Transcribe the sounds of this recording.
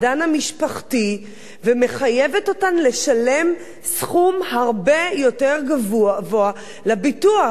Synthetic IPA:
danamiʃpaχti | veme̞χaje̞veto̞tanle̞ʃale̞m | sχumhaʁbe̞jo̞te̞ʁɡavuvoa | labitua

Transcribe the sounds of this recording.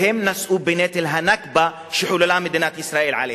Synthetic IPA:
hɪmːnasʔuːbɪneːt̪ɪlɦanakba | ʃɪħuːlalaːmɪd̪inaːt̪ʔɪsɾaːʔiːlʕa̰leː

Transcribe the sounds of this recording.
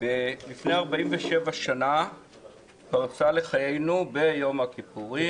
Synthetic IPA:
velifne̞aʁbaimveʃe̞vaʃana | paʁt͡sale̞χajejnube̞jomakipuʁi

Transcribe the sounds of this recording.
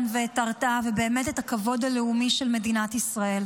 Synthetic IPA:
nveːtaʁtavebe̞ːme̞tetakavo̞d̪aleumiʃelme̞dinatisʁae̞l

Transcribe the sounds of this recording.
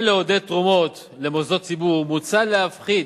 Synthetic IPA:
leod̪et̪ʁumo̞t̪ | le̞mozo̞t̚t͡sibuʁmut͡salehafχid

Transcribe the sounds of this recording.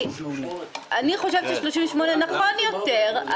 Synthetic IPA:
ʔaniχo̞ʃevt͡ʃeʃloʃimveʃmonenaχonjo̞teʁa

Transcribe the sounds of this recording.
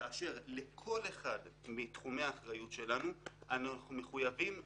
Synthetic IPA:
aaʃe̞ʁlekʰo̞le̞χadmitχume̞aːχʁajutʃe̞lanuanaχume̞χujavim

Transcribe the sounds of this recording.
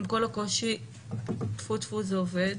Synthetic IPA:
mkolako̞ʃi | tfut̪fuzeoved

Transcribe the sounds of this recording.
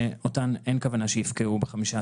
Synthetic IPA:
otanenkavanaʃejifkeʔubeχamiʃa

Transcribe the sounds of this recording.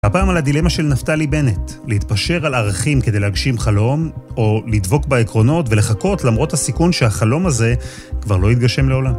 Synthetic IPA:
apaːmalad̪ile̞maʃe̞lnaftalibe̞netlehit̪paʃe̞ʁalaʁaχimkede̞jleaɡʃimχalo̞mo̞lid̪vo̞kbaekʁo̞no̞tve̞le̞χako̞tlamʁo̞thasikunʃehaχalo̞maze̞ | kvaʁlo̞it̪̚ɡaʃe̞mleo̞lam

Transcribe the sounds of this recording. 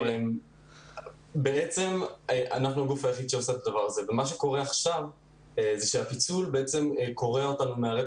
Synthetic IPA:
lem | beʔet͡se̞meʔanaχnuaɡufajaχid̪ʃeoseet̪ad̪avaʁaze̞vemaʃ̬eko̞ʁeaχʃav | zeʃeapit͡sulbeet͡se̞mkʰo̞ʁeo̞tanumeaʁe

